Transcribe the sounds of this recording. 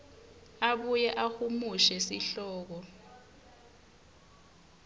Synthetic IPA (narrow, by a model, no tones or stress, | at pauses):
aɓujɛʔahumuʃɛsiɬɔːk̬ɔ